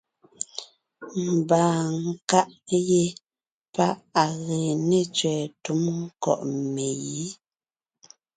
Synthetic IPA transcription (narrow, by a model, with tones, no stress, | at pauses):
m̩˨baː˨ŋ̩˨ka˦ʔje˦ | pa˦ʔa˨ɣe˨ne˦t͡ʃɥɛː˨tu˨˦m˦kɔ̰˨ʔme˨ji˨˦